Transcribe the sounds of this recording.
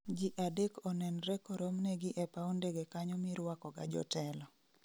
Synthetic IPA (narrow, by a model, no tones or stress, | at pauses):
d͡ʒiʔadekɔnɛnɾɛkɔɾomnɛɡɪʔɛpaondɛɡɛkaɲɔmiɾwakɔɡa̰d͡ʒɔ̰tɛlɔ